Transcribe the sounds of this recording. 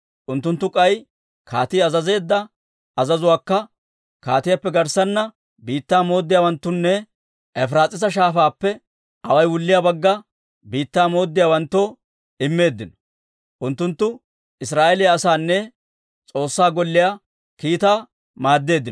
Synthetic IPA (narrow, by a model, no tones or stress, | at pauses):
ʔʊnt̪ːʊnt̪ːʊkʼɐj | kaːt̪iːɐzɐze̞ːd̪ːɐ | ɐzɐzʊwaːkːɐ | kaːt̪ɪjapːɛɡɐɾsɐnːɐ | biːt̪ːaːmo̞ːd̪ːɪjaːwɐnt̪ːʊnːɛ | ɛfɾaːt͡sʼɪsɐʃ̬aːfaːpːɛ | ɐwɐjwʊlːɪjabɐɡːɐ | biːt̪ːaːmo̞ːd̪ːɪjaːwɐnt̪ːoː | ɪmːe̞ːd̪ːɪnɔ̥ | ʔʊnt̪ːʊnt̪ːʊ | ɪsɾaːʔɛlɪjɐɐsaːnːɛ | t͡sʼo̞ːsːaːɡɔlːɪja | kiːt̪aː | maːd̪ːe̞ːd̪ːɪn